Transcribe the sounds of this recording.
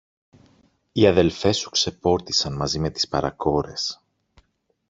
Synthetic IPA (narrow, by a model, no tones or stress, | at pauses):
iɐðe̞lfe̞su̥kse̞po̞ɾt̪i̥sɐnmɐzime̞t̪i̥spɐɾɐ̰ko̞ɾe̞̰s